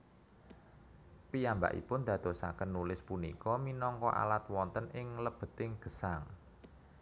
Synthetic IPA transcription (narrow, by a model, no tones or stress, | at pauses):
piamba̰ʔḭpʊnd̪ä̤d̪̥o̤sa̰kənːulɪspunikɔminɔŋkɔ̰ʔa̰lat̪̚wɔnt̪ənʔɪŋləb̥ə̤t̪ɪŋɡ̥ə̤saŋ